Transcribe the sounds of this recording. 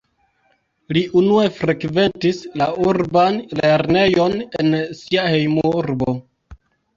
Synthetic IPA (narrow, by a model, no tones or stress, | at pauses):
liʔunue̞fɾe̞kve̞ntislauɾbanle̞ɾne̞jo̞ne̞nsiahe̞jmuuɾbo̞